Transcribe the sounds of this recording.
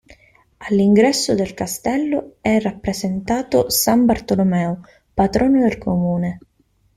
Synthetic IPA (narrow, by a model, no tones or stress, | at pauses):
alːiŋɡɾɛsːʊd̪elkast̪ɛlːoɛrːapːɾezent̪aːt̪ʊsambart̪olomɛːo | pat̪ɾɔːnod̪elkʰomuːne